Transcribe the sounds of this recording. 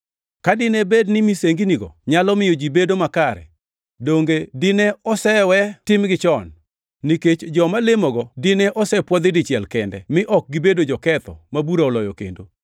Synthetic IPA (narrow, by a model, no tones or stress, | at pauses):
kadɪnebednɪmiseŋɡiniɡɔ̰ɲalɔmɪjɔd͡ʒibedomakaɾɛ̰ | doŋɡedɪnɛɔsɛwɛtɪmɡɪt͡ʃɔnː | iket͡ʃd͡ʒɔmalɪmɔɡɔdɪnɛʔɔsɛpwɔd̪ɪdɪt͡ʃjɛlkɛndɛ̰mɪʔɔk̚ɡibedod͡ʒɔkɛt̪ɔ̰mabuɾaɔlɔjɔ̰kḛndo